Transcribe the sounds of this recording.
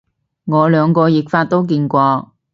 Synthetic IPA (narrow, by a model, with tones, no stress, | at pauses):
ŋɔː˨˧lœː˨˧ŋkɔː˧jɪ˨˩k̚faː˧t̚t̪o˥wk̬iː˧nkʷɔː˧